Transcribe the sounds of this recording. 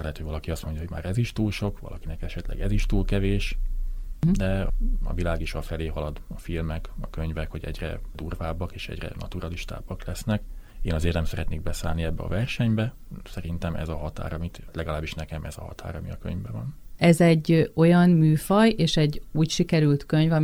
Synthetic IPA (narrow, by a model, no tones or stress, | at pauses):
ɛt̪hojvɒlɒkiɒst̪mo̞ɲɟɒɦoɟmaːɾɛziʃt̪uːlʃo̞kʋɒ̰lʔɒkinɛkɛʃɛt̪lɛ̰ɡɛziʃt̪uːlkɛveːʃ | d̪ɛɒ̰vilaːɡiʃɒfɛleːɦɒlɒd̪ɒfilmɛkɒkøɲvɛkho̞ɟɛ̰ɟrɛ̰d̪uːrvaːbːɒkeːʃɛ̰ɟrɛ̰nɒ̰t̪uɾɒliʃt̪a̰ːbːɒklɛsnɛkeːnɒzeːrt̪nɛmsɛɾɛt̪neːɡ̚bɛsaːlniɛbːɛɒ̰vɛrʃɛɲbɛ | sɛɾint̪ɛmɛ̰zɒɦɒt̪a̰ːɾɒmit̪lɛɡɒlaːbːiʃnɛkɛmɛzɒ̰ɦɒ̰t̪ʰa̰ːɾɒmiɒkø̰ɲvbɛvɒ̰nɛzɛɟːo̞jɒnmyːfɒjeːʃɛɟuːcʃikɛɾylt̪køɲvɒ